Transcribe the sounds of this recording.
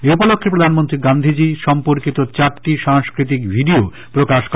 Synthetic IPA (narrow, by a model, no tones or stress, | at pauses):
eupolokʰːepɾod̪ʱanmont̪ɾiɡand̪ʱid͡ʑiʃɔmpoɾkit̪ot͡ɕaɾʈiʃaŋskɾit̪̬ikbʱiɖio | pɾokaʃk